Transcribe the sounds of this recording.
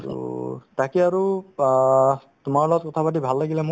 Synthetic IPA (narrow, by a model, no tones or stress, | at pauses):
tṵtakɛaɹu | tʊmaɹlɔɡɔt̚kɔtʰabat̬ibʱalːaɡilɛmʊ